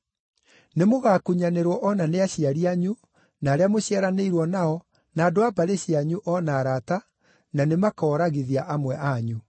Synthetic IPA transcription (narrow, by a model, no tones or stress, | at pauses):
nemoɣaːkuɲaneɾwɔʔɔnaneaɕiaɾiaɲu | naːɾeamoɕiaɾaneiɾwɔnaɔ | naːdoabaɾeɕiaɲuʔɔnaːɾata | nanemakɔːɾaɣiðiaʔamwɛʔaɲu